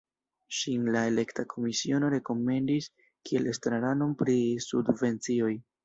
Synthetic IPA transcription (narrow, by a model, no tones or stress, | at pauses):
ʃinlae̞le̞ktakʰo̞misio̞no̞ɾe̞ko̞me̞ndis | kie̞lestɾaɾano̞mpɾisṵdve̞nt͡sio̞j